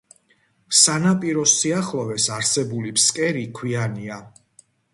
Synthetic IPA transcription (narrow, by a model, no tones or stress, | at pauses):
sanapʼiɾɔsiaχlˠɔvɛsaɾsɛbulipʰskʼɛɾikʰwiania